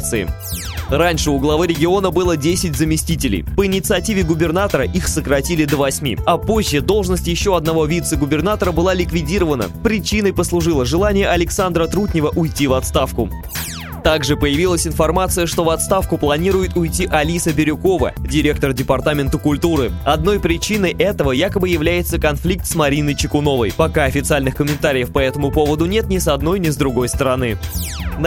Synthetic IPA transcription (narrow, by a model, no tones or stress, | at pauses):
t̪sɨɪ̰ | ranʲʂɨʊɡlˠɐvɨɾʲɪɡʲɪo̞nəbɨlˠədʲesʲɪtʲzəmʲɪsʲtʲitʲɪlʲɪ̰jpəɪnʲɪt̪sɨɐtʲivʲɪɡʊbʲɪrnat̪əɾəʔixsəkɾɐtʲilʲɪd̪əvɐsʲmʲḭɐpoʑːɪd̪o̞lˠʐnəsʲtʲɪjɪɕːo̞ɐd̪nɐvo̞vʲit̪səɡʊbʲɪrnat̪əɾəbɨlˠalʲɪkvʲɪdʲiɾəvənə̰pɾʲɪt͡ɕinəjpəslˠʊʐɨlˠəʐɨlˠanʲɪjəʔɐlʲɪksand̪ɾət̪ɾutʲnʲɪvəʔʊjtʲivɐt̪st̪afkʊ | t̪aɡʐɨpəjɪvʲilˠəsʲɪnfɐrmat̪sɨjəʂt̪o̞vɐt̪st̪afkʊplˠɐnʲiɾʊjɪt̪ʊjtʲiʔɐlʲisəbʲɪɾʲʊko̞və̰dʲɪɾʲe̞k̚t̪ərdʲɪpɐrt̪amʲɪnt̪əkʊlʲt̪uɾɨɐd̪no̞jpɾʲɪt͡ɕinəjʔɛt̪əvəjakəbɨjɪvlʲæjɪt̪səkɐnflʲik̚t̪smɐɾʲinəjt͡ɕɪkʊno̞və̰jpɐkaɐfʲɪt̪sɨalʲnɨxkəmʲɪnt̪aɾʲɪjəfpɐɛt̪əmʊpo̞vəd̪ʊnʲe̞t̪nʲɪsɐd̪no̞jnʲɪzd̪ɾʊɡo̞jst̪əɾɐnɨn